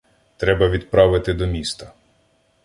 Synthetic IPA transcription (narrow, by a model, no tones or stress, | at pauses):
t̪ɾɛbɐʋʲid̪̚pɾɑʋɪt̪ɪd̪ɔmʲist̪ɐ